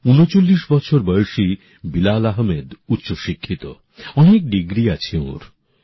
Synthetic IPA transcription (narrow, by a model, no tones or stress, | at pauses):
unot͡ɕolːiʃbɔt͡ɕʰoɾbɔjoʃi | bilalaɦmed̪ut̪ːʃoʃikʰːit̪o̰ | ɔnek̚ɖiɡɾiat͡ɕʰiõ̰ɾ